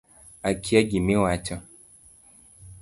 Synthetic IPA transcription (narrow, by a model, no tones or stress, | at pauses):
akʰiaɡimiwat͡ʃɔ